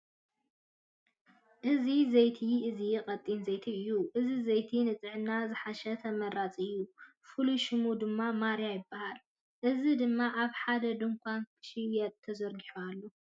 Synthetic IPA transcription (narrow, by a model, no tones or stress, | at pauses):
ʔɨzizejt̪ʰiɨzijkʼɐt̪ʼːinzejt̪ʰiɨjːuʔɨzizɐjt̪ʰinɨt͡sʼɨʕɨnːazɨħaʃɐt̪ʰɐmɐɾat͡sʼɨjːu | fɨluʃɨmud̪ɨmːamaɾjajɪbːahal | ʔɨzid̪ɨmːaʔaβħad̪ɐd̪ɨŋkʷʰankʰʃiwɛt̪t̪ʰːɐzɐɾɡiħualːo